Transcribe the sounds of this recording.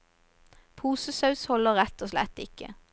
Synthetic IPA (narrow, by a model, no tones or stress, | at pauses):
pʰuːsəsɑʉshɔləʁʁɛt̪ɔslɛ̰t̪ɪkə̰